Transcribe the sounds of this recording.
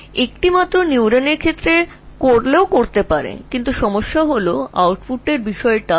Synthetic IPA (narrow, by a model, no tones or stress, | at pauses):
ek̚ʈimat̪ːɾoniuɾaneɾkʰet̪ːɾe | koɾleokoɾt̪epaɾḛkint̪uʃɔmoʃːaɦoloa̰wʈfuʈeɾbiʃɔeʈa